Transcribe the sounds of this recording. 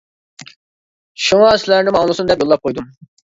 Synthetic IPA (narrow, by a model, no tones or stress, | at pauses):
ʃuŋɑslæɾnimɑŋlˠsund̪ɛpjolˠːɑp̚qʰojd̪um